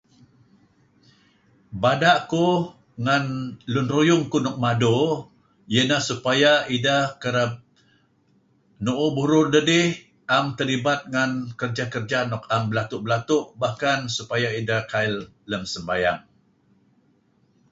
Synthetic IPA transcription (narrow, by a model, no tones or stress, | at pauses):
badaʔku | ŋanlʊnrujʊŋkunɔk̚mado | jənahsupajaidahkəɾəp̚ | nuʔubuɾʊrdədɪh | ʔamt̪əlibat̪̚ŋankərd͡ʒakərd͡ʒanɔkambəlat̪ʊʔbəlat̪ʊʔbahkansupajaidahkaɪlː | əmsəmbajaŋ